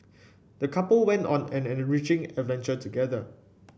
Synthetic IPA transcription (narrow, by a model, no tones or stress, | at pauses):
d̥əkʰapəlwɛ̃ntɔ̰̃nɛ̃nɛ̃nɹit͡ʃɪ̃ŋɛdvɛ̃nt͡ʃətʰuɡɛðə